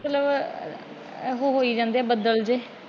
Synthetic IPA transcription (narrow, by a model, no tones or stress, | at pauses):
t̪ləb | ɦoːɦoːiːd͡ʒãːnd̪ɛːbəd̪əld͡ʒeː